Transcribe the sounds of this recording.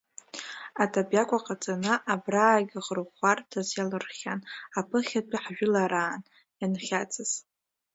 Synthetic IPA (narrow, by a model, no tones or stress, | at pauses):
atʰabjakʷʼaqʼat͡sʼanaʔabraːɡʲaʁərʁʷartʰazjalɨrχʲanapʰɨχʲatʷʰʼɪħʒᶣɪlaɾaːn | janχʲat͡sʰʼɨz̥